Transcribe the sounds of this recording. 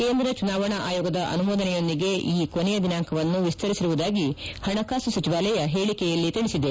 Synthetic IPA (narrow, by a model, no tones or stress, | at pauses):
ke̞ːnd̪ɾɐt͡ʃunaːʋɐɳɐʔa̰ːjoːɡɐd̪ɐʔɐ̰numoːd̪ɐnɛjo̞nd̪iɡe̞ʔiːkonɛjɐd̪inaːŋkʰɐʋɐnːuʋist̪ɐɾisiɾuʋud̪aːɡihɐɳɐkaːsusɐt͡ʃiʋaːlɛjɐɦeːɭikɛjɐlːit̪iɽisid̪e